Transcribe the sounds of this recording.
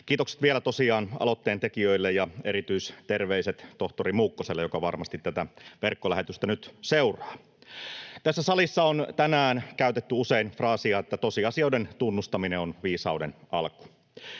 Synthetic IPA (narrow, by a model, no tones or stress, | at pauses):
k̟iːt̪okse̥t̪ʋielæt̪o̞siɑːnɑ̰lo̞t̪ːeːnt̪ekiøilːejjɑeɾit̪yist̪e̞rʋeiset̪t̪oht̪oɾimuːkːoselːejo̞kɑʋɑrmɑst̪it̪tæt̪æʋerkːolæhet̪yst̪ænyt̪seurɑː | t̪æsːæsɑlisːɑont̪ænæːnkæyt̪et̪ːyuseinfrɑːsiɑet̪ːæt̪o̞siɑsiɑwdent̪unːust̪ɑmineonʋiːsɑudenɑlku̥